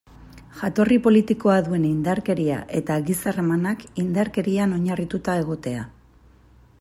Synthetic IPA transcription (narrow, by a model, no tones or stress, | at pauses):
ʝat̪o̞ripo̞lit̪iko̞aðue̞nind̪aɾke̞ɾia̰ʔe̞t̪aɣisaremanakind̪aɾke̞ɾiano̞ɲarit̪ut̪ae̞ɣ̞o̞t̪e̞a